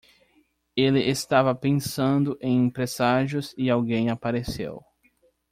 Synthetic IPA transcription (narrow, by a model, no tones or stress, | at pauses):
elɪʔest̪avɐpẽsɐ̃nd̪ʊʔẽj̃ẽpɾesaʒjʊzɪawɡẽj̃apaɾesḛw